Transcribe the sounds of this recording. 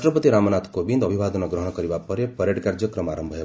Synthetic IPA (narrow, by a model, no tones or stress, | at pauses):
ʈɾɔpʌt̪iɾamɔnat̪ʰkobind̪ʌbʱibad̪ɔnɔɡɾɔɦɔɽ̃ɔkɔɾibapɔɾepɔɾjeʈkaɾd͡ʒɔkɾɔmaɾɔmbʱʌɦe